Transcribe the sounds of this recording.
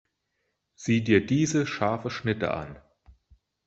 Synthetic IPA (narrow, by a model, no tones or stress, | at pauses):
z̥iːdiːɐdiːzəʃaɐfəʃnɪtə̰ʔa̰n